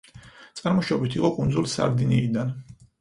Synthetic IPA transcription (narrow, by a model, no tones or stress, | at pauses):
t̪sʼaɾmɔʃɔbit̪ʰiqʼɔkʼund̪zulˠsa̰ɾd̪iniːd̪an